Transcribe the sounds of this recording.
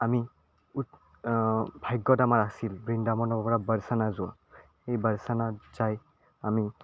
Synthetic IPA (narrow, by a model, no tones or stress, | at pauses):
ami | ut | bʱajɡːɔdamaɹasilbɹindamɔnɔbɔpɔɹabəɹsanazʊwa̰ | ejbaɹsanaz̥aj | ami